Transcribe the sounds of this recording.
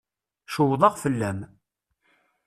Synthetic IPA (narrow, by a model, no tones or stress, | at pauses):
ʃʊwðˤɑʁfəlːæm